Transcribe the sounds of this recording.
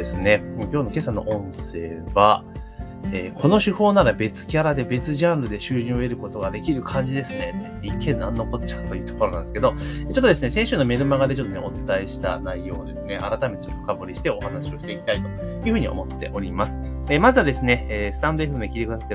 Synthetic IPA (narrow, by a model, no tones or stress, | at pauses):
esɨne̞moːkʲo̞ːno̞ke̞sano̞̰ʔõ̞ɰ̃se̞ːβa | eːkʰo̞no̞ɕɨho̞ːnaɾabe̞t͡sɨ̥kʲaɾad̪e̞be̞t͡sɨʑãɰɾɯ̟d̪e̞ɕɨːɲuːe̞ɾɯ̟ko̞t̪o̞ɡad̪e̞kʲiɾɯ̟kʰãɲ̟d͡ʑid̪e̞sɨne̞t̪ː | ikʰːenãnːoko̞tt͡ɕḁkt̪ːojɯ̟t̪o̞ko̞ɾo̞nã̰nd̪esɨ̥ke̞d̪o̞eːt͡ɕo̞t̪ːod̪e̞sɨne̞sẽɕɨːnome̞ɾɯ̟maɡad̪et͡ɕo̞t̪ːoneot͡sɨ̥t̪aeɕi̥t̪a̰naijo̞ːd̪e̞sɨne̞ʔaɾat̪amet̪et͡ɕot̪ːokaboɾʲiɕi̥t̪e̞o̞hanaɕio̞ɕi̥t̪e̞ikʲi̥t̪ait̪o̞̥ | jɯ̟ɸɯ̟ɲ̟iʔo̞̰mo̞t̪ːe̞̰ʔo̞ɾʲimasɨ̥ | emazɨad̪e̞sɨne̞eːsɨ̥t̪ãnd̪oeɸɯmɯd̪ekʲiːt̪ekɯ̟d̪asḁt̪ːe